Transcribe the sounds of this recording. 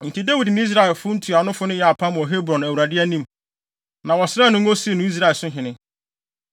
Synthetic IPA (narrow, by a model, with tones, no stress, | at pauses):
n̩˨tʰɪ˨de˦wi˨dnɪ̃˦i˦s̬ɾa˦ɛ˨lfʊ˦n̩˦tʰu˨a˨˦nʊ̃˦fʊ˦nʊ̃˦jɛ˨a˨pʰã˦m̃˨ɔ˨ɦe˦bɾɔ̃˨næ˨wu˨ɾa˨dɪ˦æ˦nĩ˦m | nã˨wɔ˨sɾa˦˨nʊ̃˦ŋ˦o˦si˦e˨nʊ̃˦i˦s̬ɾa˦˨ɛ˨sʊ̃˦ɦɪ̃˨nɪ̃˦